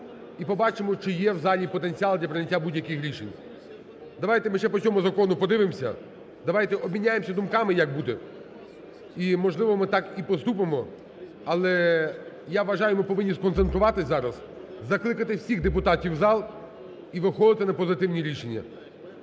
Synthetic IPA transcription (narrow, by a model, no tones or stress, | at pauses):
ipɔbɑt͡ʃɪmɔt͡ʃɪjɛwzɑlʲipɔt̪e̞nʲt͡sʲiɑlˠd̪lʲɐpɾɐnʲɐtʲːabudʲjɐkɪxɾʲiʃḛnʲ | d̪ɐʋajt̪ɛmɪʃt͡ʃɛpɔt͡ssʲɔmʊzɐkɔnʊpɔd̪ɪʋɪmsʲɐ̰ | d̪ɐʋajt̪ɛʔɔbʲmʲinʲːajemsʲɐd̪ʊmkɑmɪjak̚bud̪ɛ | imɔʒlˠɪʋɔmɪt̪ɑkipɔst̪up̬emɔ | ɐlˠɛ | jaʋːɐʒɑjʊmɪpɔʋɪnʲːiskɔnt̪ent̪ɾʊʋɑt̪ɪsʲzɑɾɐz̥ | zɐklˠɪkɐt̪ɪwsʲiɣd̪epʊt̪ɑtʲiwzɑlˠ | iʋɪxɔd̪ɪt̪ɪnɐpɔzɪt̪ɪwnʲiɾʲiʃenʲːɐ̰